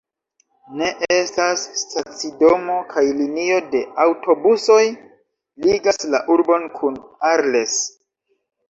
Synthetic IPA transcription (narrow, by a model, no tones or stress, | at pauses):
ne̞ʔe̞stasːtat͡sido̞mo̞kʰajlinio̞de̞awtʰo̞buso̞j | liɡaslaʔuɾbo̞nkʰunaɾle̞s